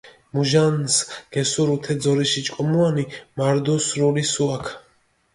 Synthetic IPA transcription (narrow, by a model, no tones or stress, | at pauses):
muʒansɡ̥ɛsuɾut̪ʰɛd̪zɔɾiʃit͡ʃʼkʼɔmuanimaɾd̪ɔsɾulisuakʰ